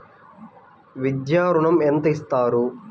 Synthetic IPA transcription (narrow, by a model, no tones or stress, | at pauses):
ʋid̪jaːɾuɳɐment̪ɐist̪aːɾu